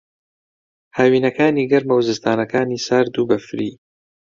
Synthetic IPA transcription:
haːwiːnɐkaːniːɡɐɾmɐwzɨst̪ʰaːnɐkaːniːsaːɾd̪uːbɐfɾiː

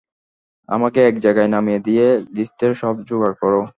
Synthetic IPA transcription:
a̰makeɛkd͡ʑajɡajnamijed̪ijelisteɾʃɔbd͡ʑuɡaɾkɔɾo

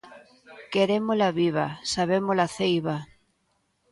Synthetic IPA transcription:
keɾemolaβiβ̞asaβemolaθejβa

